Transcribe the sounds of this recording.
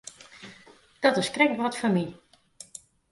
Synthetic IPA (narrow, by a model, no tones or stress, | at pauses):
d̥ɔtɪskrɛk̚ʋɔtfɔmi